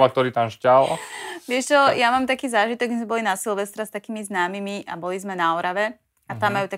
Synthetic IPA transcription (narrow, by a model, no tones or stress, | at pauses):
ak̚t̪ɔɾiːt̪amʃcalʋɪɛʃt͡ʃɔjamaːmt̪akiːzaːʒit̪ɔɡzmɛbɔlinasilʋɛst̪ɾast̪akiːmiznaːmimiʔabɔlizmɛnaɔɾaʋɛ | at̪amːajuːt̪a